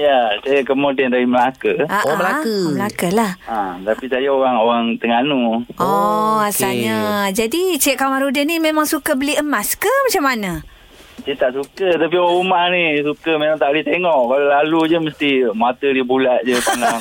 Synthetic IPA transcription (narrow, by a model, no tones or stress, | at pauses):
jasajakəmodɛnt̪adiməlakəʔaməlakəməlakəlahat̪apisajaoɾaŋowaŋt̪əŋanuɔasalɲad͡ʒadit͡ʃɛʔ̚kamaɾudənimemaŋsukabəliəmaskəmat͡ʃamana | t͡ʃit̪aʔsukət̪ap̬ioaŋumahnisukəmemaŋt̪aʔlit̪eŋɔʔkalolalud͡ʒəməst̪imat̪ədibulaʔ̚d͡ʒəpanaŋ